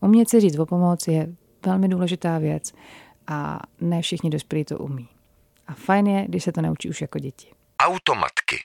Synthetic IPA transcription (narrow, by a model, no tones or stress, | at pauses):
ʔumɲɛt͡sɛziːt̪vo̞po̞mo̞t͡sjɛ | vɛlmɪduːlɛʒɪt̪aːvjɛt͡s | ʔa̰nɛːfʃɪxɲɪdo̞spɛliːt̪o̰ʔṵmiː | ʔafajnjɛɡdɪʃsɛt̪onɛut͡ʃḭːuʃjakoɟɛcɪ̥ | ʔawt̪oma̰t̪kɪ̰